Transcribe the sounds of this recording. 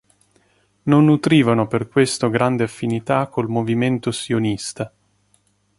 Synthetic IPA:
nonːut̪ɾiːvanoperkwest̪oɡɾand̪eafːinit̪akʰːolmoviment̪osionist̪a

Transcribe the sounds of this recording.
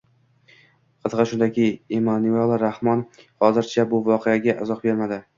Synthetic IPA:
qʰɨt̪ʁɑʃʊnd̪akʲʰɪemanualˠɾahmɒnhɒzɪɾt͡ʃʰabʊvɒqʰeaɡʲaʔɪzɒqbe̞ɾmad̪ɪ

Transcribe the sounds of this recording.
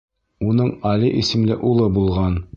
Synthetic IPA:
unɤɴɒliʔisɘ̆mlɘʔulˠɤbulˠʁɑn

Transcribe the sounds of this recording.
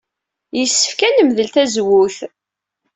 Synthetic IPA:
jəsːə̥fkænəmðəlt̪æzwuθ

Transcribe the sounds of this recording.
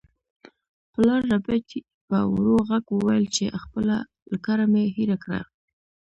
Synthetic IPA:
pəlɑɾːabati | pəwɾoɣaɡwəwajəlt͡ʃeʔxpəla | ləkaɾamehiɾakɽa̰

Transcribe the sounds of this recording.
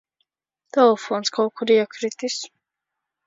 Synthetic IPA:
d̪̥aɔfɔnskʰakʰuɾiakʰɾit̪ʼis

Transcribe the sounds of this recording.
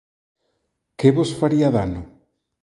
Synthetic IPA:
keβosfaɾiaðanʊ

